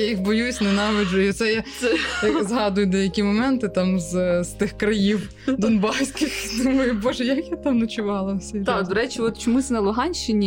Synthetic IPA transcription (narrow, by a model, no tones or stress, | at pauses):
jajixbɔjusʲnɛnɑʋɪd͡ʒɐjʊɔt̪sɛja | jɐzɦɑd̪ʊjʊd̪ɛjɐkʲimɔmɛnt̪ɪt̪ɑmzz̥t̪ɪxkɾɐjiw | d̪ɔnbɑsʲkʲɪxnʊmɐjʊbɔʒɛjɐkjat̪ɑmnɐt͡ʃʊʋɑlˠɐwsʲit̪ːd̪ɔɾɛt͡ʃiɔt̪t͡ʃɔmunɐlˠʊɦɑnʲʃt͡ʃɪnʲi